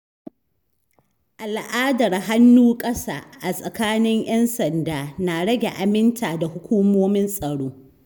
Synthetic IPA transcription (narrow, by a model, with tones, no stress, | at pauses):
ʔa˨lʔaː˦dɐ˨rɦa˦nːuː˦kʼɐ˦sa̰ː˨ʔa˨sʼɐ˨kaː˦nɪ˦ŋj̰ɛ˦nsɐ˨ndaː˨na˨ɽɐ˦ɡʲe˨ʔa˨mɪ˦ntʰaː˨da˨hʊ˦kʷuː˦moː˦mɪ˦nsʼɐ˨ɽoː˦